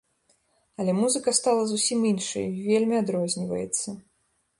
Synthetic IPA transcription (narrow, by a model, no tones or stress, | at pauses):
ɐlʲɛmuzɨkɐst̪alˠɐzusʲiminʂɐ̰jivʲelʲmʲiad̪ɾɔzʲnʲivɐ̰jɛ̰t̪sːɐ